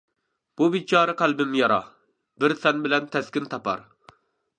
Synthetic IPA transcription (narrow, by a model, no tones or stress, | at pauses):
b̥ubit͡ʃʰɑːɾɨqʰælbɪmjɑɾɑ̰ | bɪɾsɛnbɪlɛnt̪ʰɛskʲɪnt̪ʰɑpɑ̰ɾ